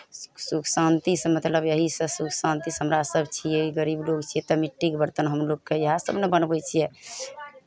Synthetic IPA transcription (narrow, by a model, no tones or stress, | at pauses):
suksãnt̪ismət̪ləbjəɦisə̃suksãnt̪isɦəmɾasəbt͡ʃʰijeɡəɾiblokt͡ʃʰijɛt̪əmiʈːikbəɾt̪ənɦəmlokːejəɦasəbnebənbɛt͡ʃʰijɛ